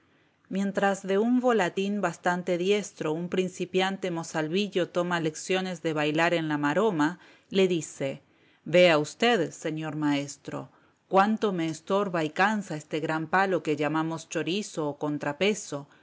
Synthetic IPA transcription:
mjẽ̞nt̪ɾazðe̞uɱbo̞lat̪inbast̪ant̪e̞ðje̞st̪ɾo̞umpɾinsipjant̪emosalβiʎo̞t̪o̞male̞ksjo̞ne̞zðe̞βajlaɾe̞nlamaɾo̞ma | le̞ðise̞ | be̞aust̪e̞ðse̞ɲo̞ɾmae̞st̪ɾo̞̰ | kwant̪o̞me̞ːst̪o̞ɾβaikansaest̪eɣɾampalo̞ke̞ʝamamo̞st͡ʃo̞ɾisoːko̞nt̪ɾape̞so̞

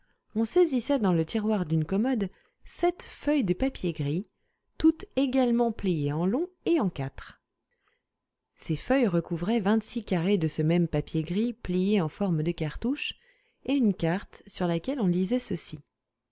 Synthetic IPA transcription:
ɔ̃sezisɛd̪ɑ̃lət̪ʰiʁwaʁd̪ynkɔmɔd̪ | sɛt̪fœjd̪əpapjeɡʁi | t̪ut̪eɡalmɑ̃plijeɑ̃lɔ̃eɑ̃kʲat̪χ | sefœjʁəkuvʁɛvɛ̃t̪sikaʁed̪əsəmɛmpapjeɡʁiplijeɑ̃fɔʁmd̪əkaʁt̪uʃ | eynkaʁt̪syʁlakʲɛlɔ̃lizɛsəsi

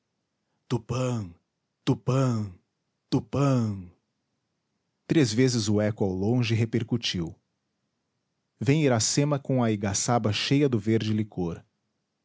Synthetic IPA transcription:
t̪upɐ̃ | t̪upɐ̃ | t̪upɐ̃ | t̪ɾezvezɪzʊɛkʊawlõʒɪɦepeɾkut͡ʃiw | vẽj̃iɾasẽmɐkõw̃ɐiɡasabɐʃejɐd̪ʊveɾd͡ʒɪlikʰoɾ

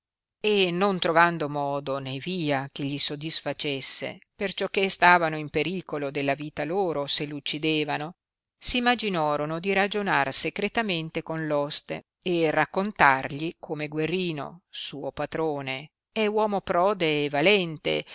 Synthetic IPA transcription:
enont̪ɾovand̪omɔːd̪oneviːak̟eʎːisod̪isfat͡ʃesːḛpert͡ʃɔkːest̪aːvanoimpeɾiːkolod̪elːaviːt̪aloːɾoselut͡ʃːid̪eːvano | siːmːad͡ʒinɔːɾonod̪iɾad͡ʒonarsekɾet̪ament̪ekonlɔst̪ḛ | erakːont̪arʎikʰomeɡwerːiːno̰suːopat̪ɾoːne | ɛwɔːmopɾɔːd̪eːvalɛnt̪ḛ

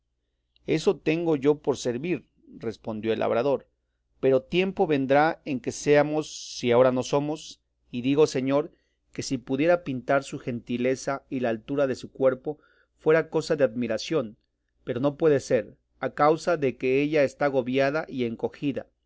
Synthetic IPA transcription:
e̞so̞t̪e̞ŋɡo̞ʝo̞po̞ɾse̞ɾβiɾ | re̞spo̞nd̪jo̞elʔa̰βɾaðoɾ | pe̞ɾo̞t̪je̞mpo̞βe̞nd̪ɾae̞ŋke̞seamo̞sːiao̞ɾano̞so̞mo̞s | iðiɣo̞se̞ɲo̞ɾ | ke̞sipuðje̞ɾapint̪aɾsuxe̞nt̪ile̞sailaːlt̪uɾaðe̞sukwe̞ɾpo̞ | fwe̞ɾako̞saðe̞aðmiɾasjo̞n | pe̞ɾo̞no̞pwe̞ðe̞se̞ɾ | akawsaðe̞ke̞eʝaest̪aɣo̞βjaðaʔie̞ŋko̞xiða̰

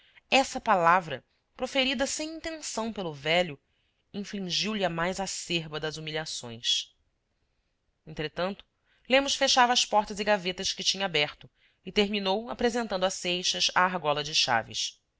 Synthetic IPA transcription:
ɛsɐpalavɾɐ̰ | pɾofeɾid̪ɐsẽj̃ĩnt̪ẽsɐ̃w̃pelʊvɛʎʊ | ĩflĩʒiwlɪɐmajzaseɾbɐd̪ɐzumiʎʲasõ̰j̃s | ẽnt̪ɾet̪ɐ̃nt̪ʊ̥ | lẽmʊʃfeʃavɐːspɔɾt̪ɐzɪɡavet̪ɐʃkɪt͡ʃĩɲɐabɛχt̪ʊ | ɪt̪eɾminowapɾezẽnt̪ɐ̃nd̪ʊasejʃɐza̰ːɦɡɔlɐd͡ʒɪʃa̰vɪ̰s

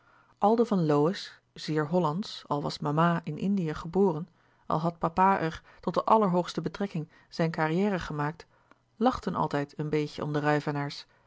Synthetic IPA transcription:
ʔɑlˠdəvɑnlowɪs | z̥ɪːɹɦɔlɑntsɑlˠʋɑsmamaːʔɪnʔɪ̰ndijəχəboːrən | ʔɑ̰lˠɦɑt̚papaːʔɛɹ | tɔt̚dəʔɑləɹɦowχstəbətrɛkɪŋ | z̥ɛjnkarijɛːrəχəmaːk̚t | lɑχtənʔɑ̰lˠtɛjtənbejcəʔɔ̰mdərœɥvənaːɹs

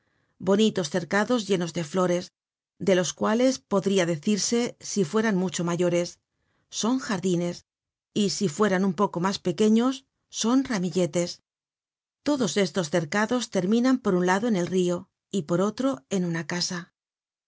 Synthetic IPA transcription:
bo̞nit̪o̞sθe̞ɾkaðo̞zʝe̞no̞zðe̞flo̞ɾe̞s | d̪e̞lo̞skwale̞spo̞ðɾiaðe̞θiɾse̞sifwe̞ɾanmut͡ʃo̞maʝo̞ɾe̞sː | o̞ŋxaɾðine̞s | isifwe̞ɾanumpo̞ko̞maspe̞ke̞ɲo̞sː | o̞nramiʎe̞t̪e̞s | t̪o̞ðo̞se̞st̪o̞sθe̞ɾkaðo̞st̪e̞ɾmĩnampo̞ɾunlaðo̞ene̞lrio̞ | ipo̞ɾo̞t̪ɾo̞e̞nunakasa

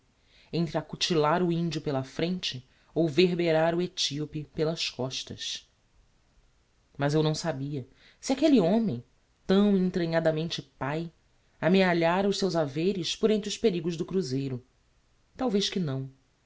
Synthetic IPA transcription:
ẽnt̪ɾɪakut͡ʃilaɾʊĩnd͡ʒiʊpelɐfɾẽnt͡ʃɪ | owveɦbeɾaɾʊet͡ʃiopɪpelɐskɔʃt̪ɐ̰s | mɐzewnɐ̃w̃sabiɐ | siakeliõmẽj̃ | t̪ɐ̃w̃ẽt̪ɾɐ̃ɲad̪ɐmẽnt͡ʃɪpaj | ameaʎaɾɐʊssewzavejɾɪspʊɾẽnt̪ɾʊspeɾiɡʊʒd̪ʊkɾuzejɾʊ | t̪awvejʃkɪnɐ̃w̃

